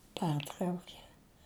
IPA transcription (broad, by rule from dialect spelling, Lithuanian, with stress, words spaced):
ˈpʲɛrtrɐʊkʲeː